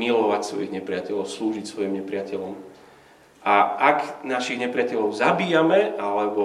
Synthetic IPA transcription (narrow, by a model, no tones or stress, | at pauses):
ilɔʋacsʋɔjiɣɲɛpɾɪacɛʎɔʊsluːʒicsʋɔjimɲɛpɾɪacɛʎɔm | ʔaʔaɡnaʃiɣɲɛpɾɪacɛʎɔʊzabiːjamɛalɛbɔ